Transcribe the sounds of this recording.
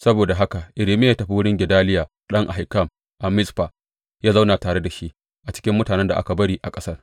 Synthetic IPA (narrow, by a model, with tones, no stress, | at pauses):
sɐ˦boː˨da˨ɦa˦ka˨ʔɪ˨ɾiː˨mɪ˦jaː˦tɐ˨ɸi˦wʊ˦ɽɪ˦ŋɡʲɪ˨daː˦lɪ˦jaː˨ | ɗɐ˦ŋʔa̰˨ɦa˨kːɐ˦˨m | ʔa˨mɪ˦sɸa˨ | jaː˦za˦wnaː˨taː˨ɽe˦da˨ʃi˦ʔ | ʔa˨t͡ʃɪ̥˦kʲɪ˦mːʊ˦taː˨nɛ˦nda˨ʔa̰˦ka˨bɐ˦ɽiː˦ʔa˨kʼɐ˦sɐ˦r